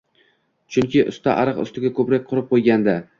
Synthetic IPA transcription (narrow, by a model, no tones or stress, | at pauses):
t͡ʃʰʊŋkʲɪʔʊ̰st̪ʰaʔaɾɨqʊ̰st̪ɪɡʲakʰɵpɾak̚ʲqʰʊɾɪp̚qʰojɡʲand̪a